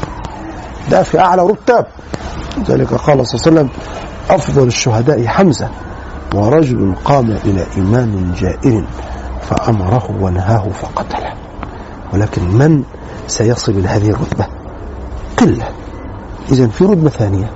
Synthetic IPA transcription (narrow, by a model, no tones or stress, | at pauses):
d̪afiʔaʕlaɾˤʊt̪ːaːb̚ | lɪza̰ːlɪkaqɑːlɑsˤlːsalːam | ʔɑfðˤɑlaʃːʊɦad̪aːʔħamza | wɑɾˤɑd͡ʒʊlʊnqɑːmaʔɪla̰ːʔɪmaːmɪnd͡ʒaːʔɪlɪnfa̰ʔamɑɾˤɑhʊwanaɦaːhʊfɑqɑt̪ḁl | wɪlaːkɪnman | sajɑsˤɨlmɪlhaːðɪhɪrˤːʊt̪ba | qɪlːa | ʔɪzanfiɾˤʊd̪̚baθaːnɪja